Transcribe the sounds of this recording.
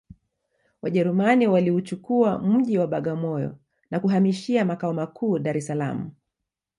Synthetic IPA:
waʄɛɾumaniwaliut͡ʃukuam̩ʄiwaɓaɠamɔjɔ̰ | nakuɦamiʃiamakaɔmakʰuːɗaɾɛsala̰mu

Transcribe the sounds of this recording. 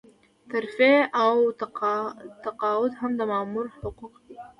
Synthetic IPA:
t̪aɾfeaw | t̪aqɑːwʊd̪hamd̪əmɑːmuɾħʊquqd̪i

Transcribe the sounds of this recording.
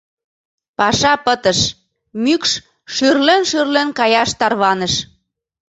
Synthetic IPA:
pɑʃɑpət̪ə̆ʃ | mykʃ | ʃyrlenʃyrlenkɑjɑʃt̪ɑrβɑnəʃ

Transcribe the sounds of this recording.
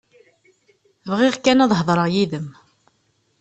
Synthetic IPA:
vʁiʁkænɑðˤɦəðˤɾˤəʁjiðəm

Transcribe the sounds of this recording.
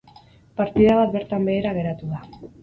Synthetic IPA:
paɾt̪iðaβat̪̚be̞ɾt̪ambe̞ːɾaɣe̞ɾat̪uða

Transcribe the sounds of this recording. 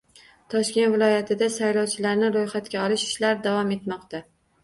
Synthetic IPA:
t̪ʰɒʃkʲe̞nt̪vɪlˠɒjat̪ʰɪd̪asajlɒwt͡ʃʰɪlaɾnɪɾojχat̪kʲaɒlɪʃɪ̥ʃlaɾd̪avɒme̞t̪mɒqt̪a

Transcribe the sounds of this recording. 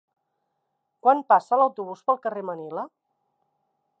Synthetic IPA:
kwanpasələwt̪uβ̞uspəlˠkəremənilə

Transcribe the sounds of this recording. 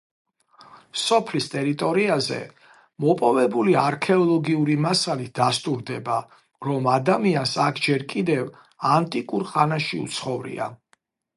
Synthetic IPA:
sɔpʰlist̪ʼɛɾit̪ʼɔɾiazɛ̰ | mɔpʼɔvɛbuliaɾkʰɛɔlˠɔɡiuɾimasalit̪̚ʰd̪̥ast̪ʼuɾd̪ɛba | ɾɔmad̪amiansakʰd͡ʒɛɾkʼid̪ɛv | ant̪ʼikʼuɾχanaʃiṵt̪sʰχɔvɾḭa̰

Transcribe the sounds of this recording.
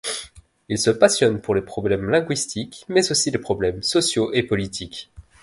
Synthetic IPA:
ilsəpasjɔnpuʁlepχɔblɛmlɛ̃ɡwɥist̪ʰikmɛzosilepχɔblɛmsɔsjoʔepɔlit̪ʰik

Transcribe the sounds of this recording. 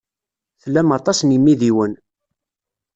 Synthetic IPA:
θlːæmɑt̪ˤɑsnimːiðiwən

